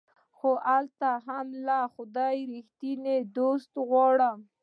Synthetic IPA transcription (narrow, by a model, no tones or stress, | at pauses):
xoʔalt̪aɦamlaxʊd̪ɑjɾixt̪ined̪ost̪ɣwɑɽəm